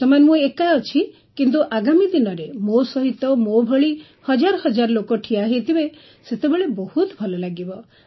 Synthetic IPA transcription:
t̪ɔmanemũekaɔt͡ʃʰi | kint̪̬uʔaɡamid̪inɔɾemosɔɦit̪ːɔmobʱɔɭi | hɔd͡ʒaɾɔhɔd͡ʒaɾɔlokoʈʰiaɦet̪ʰibe | set̪ebeɭebɔhut̪bʱɔlɔlaɡibɔ

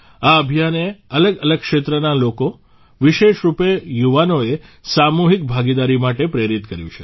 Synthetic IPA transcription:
aəbʱijaneələɡələɡ̚kʃet̪ɾənaloko | ʋiʃeʃɾupejuʋanoesamuɦik̚bʱaɡid̪aɾimaʈepɾeɾit̪kəɾjṵ̃t͡ʃʰe̥

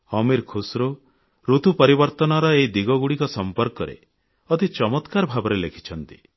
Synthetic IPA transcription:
ɔmiɾkʰusɾo | ɾut̪upɔɾibɔɾt̪ɔnɔɾɔeid̪iɡɔɡuɽikɔsɔmpɔɾkɔɾḛ | ɔt̪it͡ʃɔmɔt̪kaɾɔbʱabɔɾelekʰi̥t͡ʃʰɔnt̪i̥

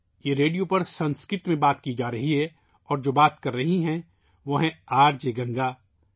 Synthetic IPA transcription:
jeɾeːɖijopɐɾsɐ̃nskɾɪɾt̪mẽbaːt̪kid͡ʒaːɾɐɦiɦɛ | ɔːɾd͡ʒoːbaːt̪kɐɾːɐɦiɦɛ̃ | ʋɐɦɛ̃aːɾd͡ʒeːɡɐ̃ŋɡaː

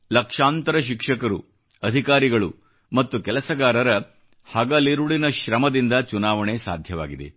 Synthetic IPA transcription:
lɐkʂaːnt̪ɐɾɐʃ̬ikʂɐkɐɾṵ | ɐd̪ʱikaːɾiɡɐɭu | mɐt̪ːukɛlɐsɐɡaːɾɐɾɐ | hɐːɡaːliɾuɭinɐʃɾɐmɐd̪ind̪ɐt͡ʃunaːʋɐɳesa̰ːd̪ʱjɐʋa̰ːɡid̪e̞̰

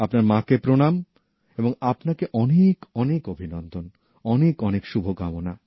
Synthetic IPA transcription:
apnaɾmãkepɾonam | eboŋapnakeʔɔnekɔnekobʱinɔnd̪ʱon | ɔnekɔnekʃubʱokamona

